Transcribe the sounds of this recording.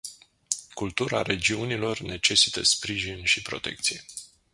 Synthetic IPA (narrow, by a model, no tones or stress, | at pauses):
kult̪uɾa̰ɾe̞d͡ʒiunilo̞rne̞t͡ʃe̞si̥t̪əspɾiʒinʃipɾo̞t̪e̞̰k̚t̪sije